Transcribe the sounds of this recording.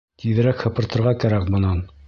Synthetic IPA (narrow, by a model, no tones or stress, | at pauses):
t̪iðɘ̆ɾækhɤ̆pɤ̆ɾt̪ɤ̆ɾʁɑkæɾækmɤ̆nɑn